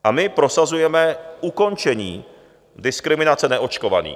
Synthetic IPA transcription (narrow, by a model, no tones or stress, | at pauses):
ʔamɪpɾo̞sazujɛmɛʔuko̞nt͡ʃɛɲiː | dɪskɾɪmɪnat͡sɛnɛʔo̞t͡ʃko̞va̰nḭː